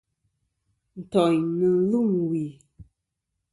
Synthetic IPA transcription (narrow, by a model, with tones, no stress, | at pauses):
n̩˨tɔ˨ɲnɨ˨˦lu˦˨mwi˨